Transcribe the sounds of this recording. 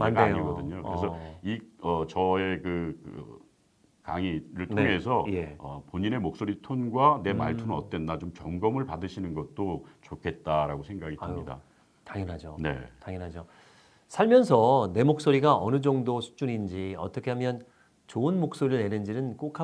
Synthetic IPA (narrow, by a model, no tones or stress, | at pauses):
manajoiɡʌdɯɲokɯɾesʰʌiʌt͡ɕʌe̞kɯkɯ̰ | kaŋiɾɯɭtnʰoŋe̞sʰʌje̞ʌ̰poɲine̞mok̚s͈oɾitʰonɡwane̞ma̰ɭtʰonʌ̰t͈̚wenːat͡ɕomt͡ɕʌŋɡʌmɯɭpadɯɕʰinɯnɡʌt̚t͈ot͡ɕokʰe̞t̚t͈aɾaɡosʰeŋɡaɡiaɲida̰ | taŋjʌnɦad͡ʑone̞̰taŋjʌnɦad͡ʑo | sʰaɭmjʌns̬ʰʌne̞mok̚s͈oɾiɡaʔʌnɯd͡ʑʌŋdosʰu̥d͡ʑunind͡ʑiʌt͈ʌkʰe̞ɦamjʌn | t͡ɕoɯnmok̚s͈oɾiɭne̞nɯnd͡ʑinɯnk͈okʰa